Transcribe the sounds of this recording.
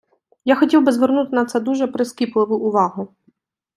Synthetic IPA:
jaxɔtʲiwbɪzʋernut̪ɪnɐt̪sɛd̪uʒɛpɾeskʲiplˠɪʋʊʔʊʋɑɦʊ

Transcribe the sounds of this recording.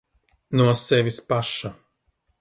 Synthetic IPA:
nuɔsɛvʲispaʃa

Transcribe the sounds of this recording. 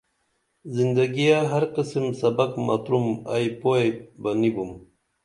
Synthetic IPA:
zind̪aɡijaɦɐɾqisimsɐbɐkma̰t̪ɾuma̰jpoebɐnibum

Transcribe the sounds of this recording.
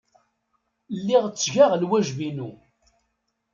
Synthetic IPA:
lːiʁt͡sːʝaʁlwæʒvinu

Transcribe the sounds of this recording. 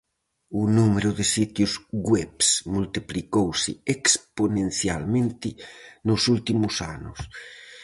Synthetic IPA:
unumeɾʊðesit̪juzɡwɛpsmult̪iplikowsɪeksponẽnθjalmẽnt̪ɪnosult̪imusa̰nʊs

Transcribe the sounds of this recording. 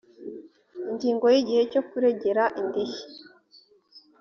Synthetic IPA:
iɲɟiːŋɡo̞jiɟihe̞cokuɾeɟeɾaʔindiʃi̥

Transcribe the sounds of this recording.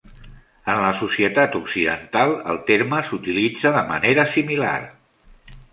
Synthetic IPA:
ənləsusiət̪at̪uksiðə̰nt̪alˠə̰lˠt̪eɾməsut̪ilid͡zəðəmə̰neɾəsimila̰r

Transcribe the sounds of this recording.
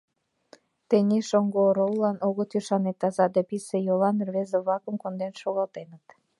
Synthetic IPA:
t̪enʲeʃoŋɡoɾowlɑnoɣot̪yʃɑnet̪ːɑzɑd̪episejovɑnrβezeβlɑkəmkond̪enʃoɣɑlt̪enət̪

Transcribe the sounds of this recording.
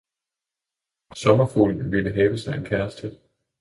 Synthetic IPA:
sɒ̽mɐfṵːln̩ʋiləɦɛːʋəsɑ̈ɪe̝nkʰæɐsd̥ə

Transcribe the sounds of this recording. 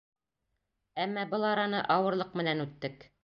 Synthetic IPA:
æmːɑbɤlˠɑɾɑnɤʔɑwɤ̆ɾlˠɤq̚mɘ̆nænʉt̪ːɘk

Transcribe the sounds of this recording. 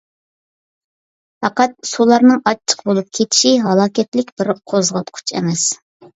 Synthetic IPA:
fɑqɑt̪̚sulˠɑɾnɨŋɑt͡ʃʰːə̥qbolˠup̚kʲʰet̪ʰɪ̥ʃiɦɑlˠɑːkʲɛt̪lɪkʲbɪɾqʰozʁɑp̪̚qʰʊ̥t͡ʃʰɛ̰mɛs

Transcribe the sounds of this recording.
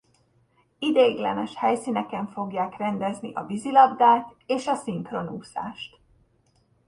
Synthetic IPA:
id̪eːɡlɛ̰nɛʃhɛjsinɛkɛɱfo̞ɡjaːkrɛnd̪ɛzniʔɒbizilɒbd̪aːt̪eːʃɒsiŋkro̞nuːsa̰ːʃt̪

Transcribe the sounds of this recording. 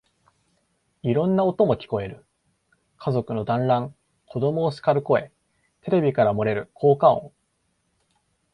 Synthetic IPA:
iɾõ̞nːaot̪o̞mo̞kʲi̥ko̞e̞ɾɯ̟ | kʰazo̞kɯ̟no̞d̪ãnɾãŋ | kʰo̞d̪o̞mo̞ːsɨ̥kaɾɯ̟ko̞e̞ | t̪e̞ɾe̞bʲikaɾamo̞ɾe̞ɾɯ̟kʰo̞ːkaõ̰ŋ

